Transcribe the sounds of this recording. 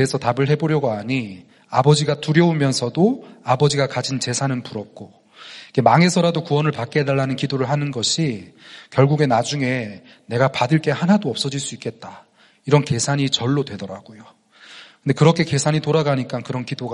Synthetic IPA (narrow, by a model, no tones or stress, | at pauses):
eesʰʌtabɯɭɦe̞boɾjʌɡoaɲi | abʌd͡ʑiɡatuɾjʌumjʌnsʰʌdoabʌd͡ʑiɡakad͡ʑint͡ɕe̞sʰanɯnpuɾʌp̚k͈o | ik͈e̞maŋe̞sʰʌɾadokuwʌnɯɭpak̚k͈e̞daɭːanɯnkidoɾɯɭɦanɯnɡʌɕʰikjʌɭɡuɡe̞nad͡ʑuŋe̞ | ne̞ɡapadɯɭk͈e̞hanadoʌp̚s͈ʌd͡ʑiɭs͈uik͈e̞t̚t͈a | iɾʌnke̞sʰaɲit͡ɕʌɭːodwe̞dʌɾa̰ɡojo | kɯnde̞kɯɾʌkʰe̞ke̞sʰaɲitoɾaɡaɲik͈ankɯɾʌnkidoɡa